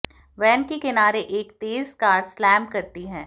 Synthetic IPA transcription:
ʋɛːnkekɪnaːɾeʔeːkt̪eːzkaːɾslɛːmkɐɾt̪iɦɛ̃ː

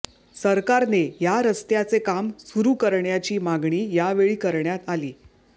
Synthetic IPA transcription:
səɾkaɾnejaɾəst̪jat͡sekamsuɾuːkəɾɳjat͡ɕiːmaɡɳiːjaʋeɭiːkəɾɳjat̪aliː

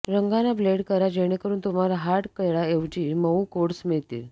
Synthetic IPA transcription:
ɾəŋɡanableɽkəɾad͡ʑeɽ̃ekəɾuːnt̪um̤alaɦaʈkəjɭaeʋt͡ɕiːməukoɽsmiɭt̪ḭ

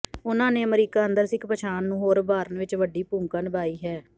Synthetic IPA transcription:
ʊnãːneːməɾiːkaːənd̪əɾsɪkʰpət͡ʃʰaːnːũːɦoːɾbaːɾənʋɪt͡ʃʋəɖiːpũːŋkənbaːiːɦɛː

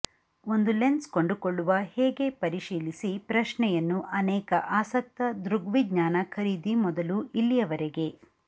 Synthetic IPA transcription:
o̞nd̪ulenskoɳɖukoɭːuʋɐhɛːɡe̞pɐɾiʃiːlisipɾɐʃnɛjɐnːuʔɐnɛːkɐʔaːsɐk̚t̪ɐd̪ɾuɡʋiɡɲaːnɐkʰɐɾiːd̪imɔd̪ɐluʔilːijɐʋɐɾeɡe̞

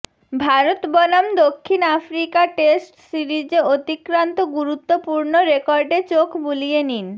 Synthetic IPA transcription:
bʱaɾot̪bɔnamd̪okʰːinafɾikaʈesʈsiɾid͡ʑeot̪ikɾant̪oɡuɾut̪ːopuɾnoɾekɔɾɖet͡ɕokʰbulijenin

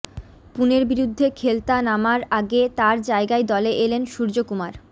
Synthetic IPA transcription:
puneɾbiɾud̪ʱːekʰelt̪anamaɾaɡet̪aɾd͡ʑaeɡaed̪ɔleʔelenʃuɾd͡ʑokumaɾ

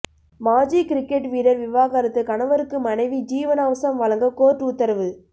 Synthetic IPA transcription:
maːd͡ʒiːkɪɾɪkːeʈʋiːɾɐɾʋɪʋaːɣaːɾɐt̪ːɯkɐɳɐʋɐɾɯkːɯmɐnɐɪʋid͡ʒiːʋɐnaːʋɐsɐmʋɐlɐŋɡɐkoːʈut̪ːɐɾɐʋɯ

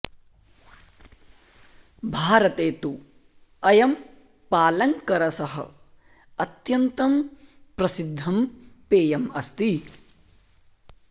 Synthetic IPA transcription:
bʱaːɾɐt̪eːt̪u | ɐjɐm | paːlɐŋkɐɾɐsɐɦɐ̰ | ɐt̪jɐnt̪ɐmpɾɐsid̪ʱːɐmpeːjɐmɐst̪i

